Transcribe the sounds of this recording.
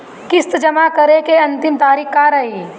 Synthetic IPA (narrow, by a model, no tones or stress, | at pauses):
kɪst̪d͡ʒɐmakɐɾekeɐ̃nt̪ɪmt̪aːɾikkaːɾɐɦiː